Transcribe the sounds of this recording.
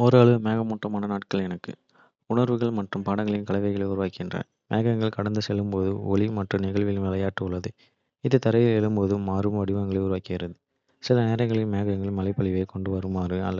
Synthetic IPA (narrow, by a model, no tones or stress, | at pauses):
ɔɾaːɭɯmeːɣɐmʊʈrɐmaːnɐnaːʈ̚kɐɭɛnɐkːɯ̰ | ʊɳɐɾʋɯɣɐɭmɐʈrɯmpaːɽɐŋɡɐɭɪnkɐɭɐɪʋɐɪɣɐɭɐɪʊɾʊʋaːkɪɪɪndrɐ̰ | meːɣɐŋɡɐɭkɐɽɐnd̪ɯsɛlːɯmpoːðɯɔ̰ɭimɐʈrɯmnɪɣɐɭʋɪlʋɛlɐjaːʈːɯʊɭːɐðɯ | ɪðɯt̪ɐɾɐʋɪɛlːɯmpoːðɯːaːɾɯmʋɐɽɪʋɐŋɡɐɭɐɪʊɾʊʋaːkɪɣɪɾɐðɯ | sɪlɐneːɾɐŋɡɐɭɪnmeːɣɐŋɡɐɭmɐlɐɪpːɐɭɪʋɐɪkɔɳɖɯʋɐɾɯmːaːɾɯɐ̰lːɐ